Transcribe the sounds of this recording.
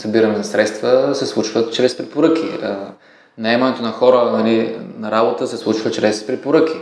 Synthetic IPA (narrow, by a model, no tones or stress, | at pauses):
sɐbiɾɐnɛnɐsɾɛt̪st̪vəsɛslˠut͡ʃvət͡ʃɾɛspɾɛpoɾɤk̟iə | nɐɛmɐnɛt̪onɐxɔɾənɐlinɐɾabot̪əsɛslˠut͡ʃvət͡ʃɾɛspɾɛpoɾəki